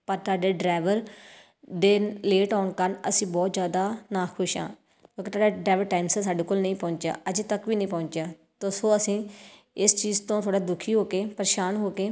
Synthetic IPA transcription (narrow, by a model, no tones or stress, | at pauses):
pəɾt̪aːɖeːɖɾaːɪʋəɾ | d̪eːleːʈaːɳkəɾnəsĩːbɔːt̪zjaːd̪aːnaːkʰʊʃã̰ː | kõːket̪ʰaːɖaɖɾaːjʋəɾʈaːɪmsasaːɖeːkoːlnəĩːpɔ̃ːɲt͡ʃja̰ːʔəd͡ʒt̪əkʋiːnə̃ĩːpɔ̃ːɲt͡ʃjaː | t̪osõːəsĩː | ɪst͡ʃiːzt̪õːt̪ʰoaːɽaːd̪ʊkʰiːɦoːkeːpɾʃaːnɦoːkeː